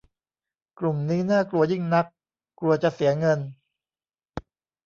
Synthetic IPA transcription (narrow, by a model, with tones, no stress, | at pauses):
klu˨˩mniː˦˥naː˥˩klu˧ɐji˥˩ŋna˦˥k̚ | kːlu˧ɐt͡ɕa˨˩si˨˩˦ɐŋɤ˧n